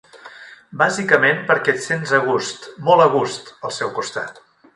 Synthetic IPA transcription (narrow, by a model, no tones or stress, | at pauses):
bazikəmenpəɾkɛt̪senzəɣ̞ust̪mɔlˠəɣ̞ust̪əlˠsɛwkust̪a̰t̪